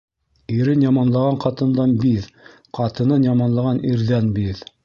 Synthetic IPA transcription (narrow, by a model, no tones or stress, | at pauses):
iɾɘnjɑmɑnlˠɑʁɑɴqɑt̪ɤ̆nd̪ɑnbið | qʰɑt̪ɤ̆nɤnjɑmɑnlˠɑʁɑnʔiɾðænbið